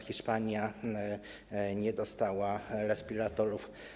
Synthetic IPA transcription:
xʲiʂpaɲja | ɲɛd̪ɔst̪awaɾɛspʲiɾat̪ɔɾuf

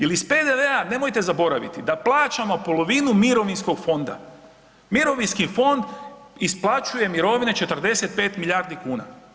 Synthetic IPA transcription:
jelisped̪eʋeane̞mo̞jt̪e̞zabo̞ɾaʋḭt̪id̪aplˠaːt͡ʃamopo̞lˠo̞ʋinumiɾo̞ʋinsko̞ɡfo̞nd̪a̰ | miɾo̞ʋinskifo̞nd̪isplˠat͡ʃuje̞miɾo̞ʋinet͡ʃe̞t̪ər̩d̪e̞se̞t̪̚pe̞ːt̪milʎʲaɾd̪ikuːna̰

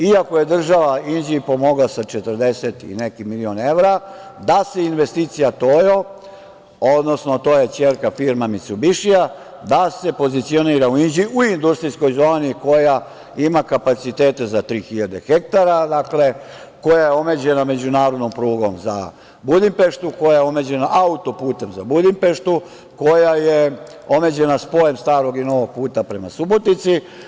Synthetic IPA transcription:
iako̞je̞d̪r̩ʒaʋaind͡ʑipo̞moɡlasat͡ʃet̪ərd̪e̞set̪ḭne̞kimilio̞ne̞ʋɾa | d̪ase̞inʋe̞st̪iːt̪sijat̪ojo | od̪no̞sno̞t̪ojat͡ʃeːɾkafiɾmamit̪subiʃia | d̪ase̞po̞zit̪sio̞niːɾauind͡ʑiʔuind̪ust̪ɾisko̞jzo̞ːniko̞ja | imakapat̪sit̪e̞ːt̪e̞zat̪ɾiːxiʎad̪e̞xek̚t̪aɾad̪akle̞ko̞jajeo̞me̞ːd͡ʑe̞name̞d͡ʑunaːɾo̞d̪no̞mpɾuːɡo̞mza̰ | bud̪impe̞ʃt̪uko̞jajeome̞d͡ʑe̞naʔaut̪opuːt̪e̞mzabud̪impe̞ʃt̪u | ko̞jaje | o̞me̞d͡ʑe̞naspo̞jemst̪aːɾo̞ɡino̞ʋoɡ̚puːt̪apɾe̞masubo̞t̪nit̪si

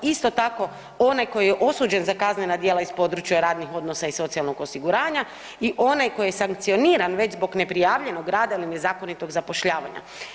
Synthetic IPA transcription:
ist̪o̞t̪ako̞ | o̞najko̞jjeʔo̞suːd͡ʑe̞nzakaznenad̪jeːlaispo̞ːd̪ɾut͡ʃjaɾaːd̪nixo̞d̪no̞saiso̞t̪sialno̞ɡo̞siɡuɾaːɲa | iʔo̞najko̞jjesaŋkt̪sio̞niːɾanʋe̞d͡ʑzbo̞ɡne̞pɾijaːʋʎe̞no̞ɡɾaːd̪ailine̞zaːko̞nit̪o̞ɡzapo̞ʃʎaːʋa̰ɲa̰

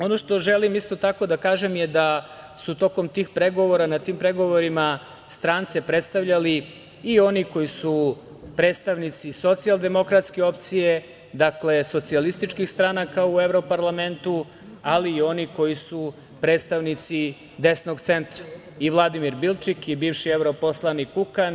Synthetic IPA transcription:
o̞no̞ʃt̪o̞ʒelimist̪o̞t̪ako̞d̪akaːʒe̞mjed̪a | sut̪o̞ko̞mt̪iːxpɾe̞ɡo̞ʋo̞ɾanat̪iːmpɾe̞ɡo̞ʋo̞ɾima | st̪ɾaːnt̪sepɾet̪st̪aʋʎaliː | o̞niko̞jisu | pɾeːd̪st̪aʋnit̪siso̞t̪sialˠd̪e̞mo̞kɾat̪ske̞o̞pt̪sije̞ | d̪akle̞so̞t̪sialist̪it͡ʃkixst̪ɾanakaue̞vɾo̞paɾlˠame̞nt̪u | aliːo̞niko̞jisu | pɾe̞ːt̪st̪aʋnit̪si | d̪e̞sno̞ɡt̪se̞nt̪ɾa | iʋlˠad̪imiɾbilt͡ʃikibiːʋʃievɾo̞poslˠanikukan

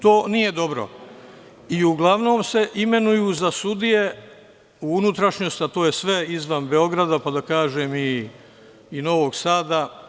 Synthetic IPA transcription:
t̪o̞ːnije̞d̪o̞bɾo̰ | iuɡlˠaʋno̞ːmse̞ʔime̞nujuːzasud̪ije̞ | uunut̪ɾaʃɲo̞st̪at̪o̞ːje̞sʋe̞izʋanbe̞o̞ɡɾad̪apad̪akaːʒeːmiː | no̞ʋo̞ɡsaːd̪a

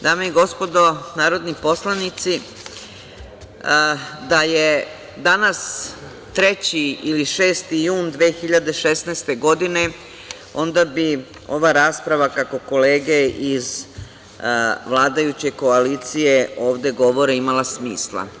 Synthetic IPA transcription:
d̪aːmeiɡo̞spo̞d̪o̞naːɾo̞d̪nipo̞slˠanit̪si | d̪aje | d̪anas | t̪ɾe̞t͡ɕiiliʃe̞ːst̪ijuːnd̪ʋeːxiʎad̪eʃesnast̪e̞ɡo̞d̪ine̞ | o̞nd̪abi | o̞ʋaɾaːspɾaʋakako̞ko̞leːɡeiz | ʋlˠaːd̪ajut͡ɕe̞ko̞aliːt̪sije̞o̞ːʋd̪e̞ɡo̞ʋo̞ɾeimalˠasmḭːslˠa̰

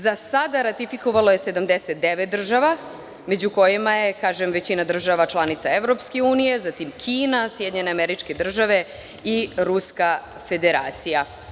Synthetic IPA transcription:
zasad̪aɾat̪ifikoʋaloje̞se̞d̪amd̪eset̪̚d̪e̞ʋet̪̚d̪r̩ʒaʋa | me̞d͡ʑuko̞jimaje̞kaːʒemʋe̞t͡ɕinad̪r̩ʒaʋat͡ʃlˠanit̪sae̞vɾo̞pskeuːnije̞zat̪imkʰiːnasjed̪ɲe̞ne̞ameɾit͡ʃke̞d̪r̩ʒaʋe̞ | iɾuska | fe̞d̪eɾa̰ːt̪sija

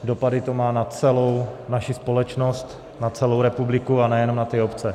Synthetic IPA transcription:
do̞padɪt̪o̞maːnat͡sɛlownaʃɪspo̞lɛt͡ʃno̞st̪ | nat͡sɛlo̞wɾɛpublɪkuanɛjɛno̞mnat̪ɪopt͡sɛ

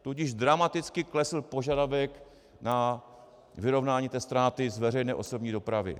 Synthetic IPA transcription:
t̪uɟɪʒd̪ɾamat̪ɪt͡skɪklɛsl̩po̞ʒadavɛk | na | vɪɾo̞vnaːɲiːt̪ɛːst̪ɾaːt̪ɪzvɛr̝ɛjnɛːʔo̞so̞bɲiːdo̞pɾavɪ̰

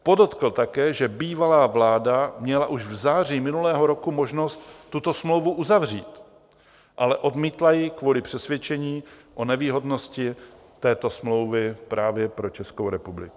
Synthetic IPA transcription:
po̞dot̪kl̩t̪akɛːʒɛbiːvalaːvlaːdamɲɛlaʔuʒvzaːr̝iːmɪnulɛːɦo̞ɾo̞kumo̞ʒno̞st̪ːut̪o̞smlowvuʔuzavr̝iːt̪ | ʔalɛʔo̞dmiːt̪lajɪkvuːlɪpr̝̥ɛsvjɛt͡ʃɛɲiːʔo̞nɛviːɦo̞dno̞scɪ | t̪ɛːt̪o̞smlo̞wvɪpɾaːvjɛpɾo̞t͡ʃɛskowɾɛpublɪku

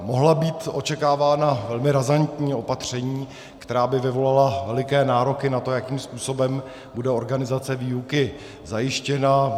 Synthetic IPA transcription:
mo̞ɦlabiːt̪ʔo̞t͡ʃɛkaːvaːnavɛlmɪɾazant̪ɲiːo̞pat̪r̝̥ɛɲiː | kt̪ɛɾaːbɪvɪvo̞lalavɛlɪkɛːnaːɾo̞kɪnat̪o̞jakiːmspuːso̞bɛm | budɛo̞ɾɡanɪzat͡sɛviːukɪ | zajɪʃcɛna

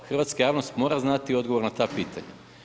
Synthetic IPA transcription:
xr̩ʋaːt̪skajaːʋnost̪mo̞ːɾaznat̪io̞d̪ɡoʋo̞ɾnat̪apiːt̪ʰa̰ɲa̰

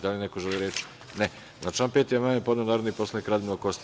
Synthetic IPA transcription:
d̪alinekoʒeliɾet͡ʃ | ne | znat͡ʃianpet̪ijemaːɲepod̪onaːɾod̪nipo̞slˠanikɾad̪imnokost̪

